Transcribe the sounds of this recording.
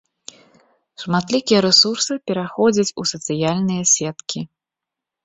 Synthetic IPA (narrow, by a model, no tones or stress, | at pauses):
ʂmat̪lʲikʲijɐɾɛsursɨpʲɛɾaxɔd͡zʲɐt͡sʲusɐt̪sɨjalʲnɨjɐsʲɛt̪kʲi